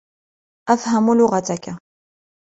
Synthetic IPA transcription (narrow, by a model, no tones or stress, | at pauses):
ʔafhamulʊɣat̪aka